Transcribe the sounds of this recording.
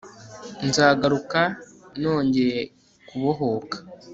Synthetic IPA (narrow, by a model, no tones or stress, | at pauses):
nzaːɡaɾuka | no̞ːɲɟe̞ɾe | kuβo̞ɦo̞kḁ